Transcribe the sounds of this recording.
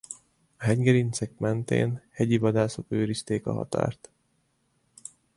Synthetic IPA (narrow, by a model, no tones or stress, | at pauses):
ɒɦɛɲɡɛɾint̪sɛk̚mɛnt̪ḛːnhɛɟivɒd̪aːso̞køːɾist̪eːkɒ̰ɦɒ̰t̪a̰ːrt̪